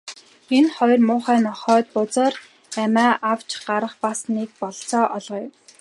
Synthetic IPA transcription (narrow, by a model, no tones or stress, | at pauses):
enχɔjrmʊːχæːnɔχœːt̪̚pʊt͡sə̆ːr | æmaːʔaw̥t͡ɕɢaɾə̆χpasniːk̚pɔɮt͡sɔːʔɔɮʁ̆ːw